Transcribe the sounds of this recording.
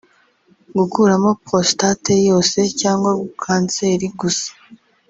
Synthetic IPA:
ɡukuːɾamo̞postate̞jo̞ːse̞caːŋɡwaɡukʰaːnse̞ːɾiɡusḁ

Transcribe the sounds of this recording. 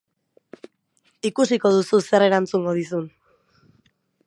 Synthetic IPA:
ikusiko̞ð̞ususe̞re̞ɾant͡suŋɡo̞ð̞isun

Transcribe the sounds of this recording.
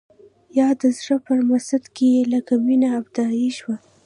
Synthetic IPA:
jɑd̪əzɽəpəɾmasad̪keelakaminaːbd̪ɑiʃwa

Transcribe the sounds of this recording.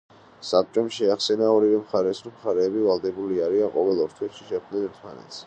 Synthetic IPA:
sap̚t͡ʃʼɔmʃɛaχsɛnaɔɾivɛmχaɾɛsɾɔmχaɾɛːbivalˠd̪ɛbuliaɾianqʼɔvɛlˠɔɾt̪ʰwɛʃi̥ʃɛk̚d̪nɛnɛɾt̪ʰmanɛ̰t̪s

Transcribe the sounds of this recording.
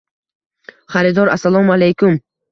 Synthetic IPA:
χaɾid̪ɔɾasalˠɔmalejkʰum

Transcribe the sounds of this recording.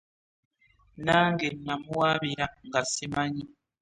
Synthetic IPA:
naŋɡenːamuwabiɾaŋɡasimaɲi

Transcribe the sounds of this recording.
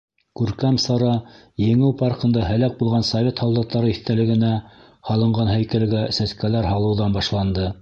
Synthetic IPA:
kʉɾkæmsɑɾɑ | jɘ̆ŋɘwpɑɾqɤ̆nd̪ɑɦæ̆læk̚bulˠʁɑnsɐvʲet̪hɑwld̪ˠɤ̆q̚t̪ɑɾɤiθt̪ælɘ̆ɡɘ̆næ | hɑlˠɤ̆ɴʁɑnɦæjkælɡæsæskælæɾɦɑlˠɤ̆wðɑnbɑʃlˠɑnd̪ɤ

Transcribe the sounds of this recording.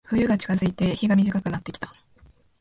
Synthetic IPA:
ɸɯ̟jɯ̟ɡat͡ɕi̥kazɨit̪e̞çiɡamʲiʑikakɯ̟nat̪ːe̞kʲi̥t̪ḁ

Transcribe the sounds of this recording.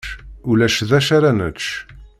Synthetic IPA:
ulæʃðæʃaɾænət͡ʃ

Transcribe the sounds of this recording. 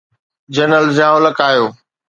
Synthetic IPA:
d͡ʑənəlzãːoləkaːjoː

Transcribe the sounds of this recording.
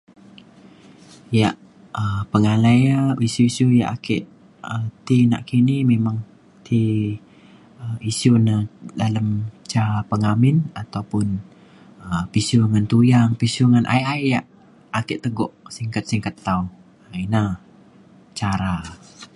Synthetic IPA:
jaʔ | əpəŋalajaisuisuja̰ʔa̰kɛʔ | ət̪ina̰ʔkinimemaŋ | t̪ʰi | əisunadaləmt͡ʃapəŋamɪnat̪aupʊn | əpisuŋant̪ujaŋpisuŋanʔa̰jajjaʔ | akɛʔt̪əɡɔʔsiŋkət̪̚siŋkət̪ːau | ina | t͡ʃaɾa

